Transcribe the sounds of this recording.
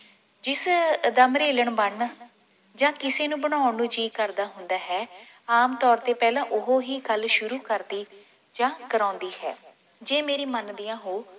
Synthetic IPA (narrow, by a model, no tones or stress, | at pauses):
d͡ʒɪsd̪əmɾeːləɳbəɳ | d͡ʒãːkɪseːnũːbəɽaːʊɳũːd͡ʒiːkəɾd̪aːɦʊnd̪aːɦɛː | aːmt̪ɔːɾt̪eːpɛːlãːʔʊɦoːɦiːɡəlʃʊɾuːkəɾd̪iː | d͡ʒãːkəɾãːnd̪iːhɛ̰ː | d͡ʒeːmeːɾiːmənd̪ijãːɦoː